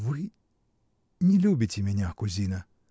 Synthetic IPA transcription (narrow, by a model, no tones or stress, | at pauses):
vɨ | nʲɪlʲubʲɪtʲɪmʲɪnʲakʊzʲinɐ